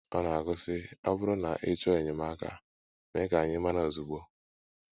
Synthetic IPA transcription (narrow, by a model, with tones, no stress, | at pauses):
ɔ˦na˨a˨ɡʊ˦sɪ˦a˦bʊ˦ɾʊ˦na˨ʔɪ˦t͡ʃɔ˦e˨ɲɪ˨ma˦ka̰˨ | me˦ka˨a˨ɲɪ˦ma˦na˦o˨zu˨ɡ͡bo˦